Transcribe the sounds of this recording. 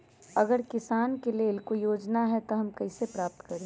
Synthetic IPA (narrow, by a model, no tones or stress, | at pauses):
ɐɡəɾkɪsaːnkeleːlkoijoːd͡ʒnaɦɛt̪oɦɐmkɐɪsepɾaːp̚t̪kɐɾẽ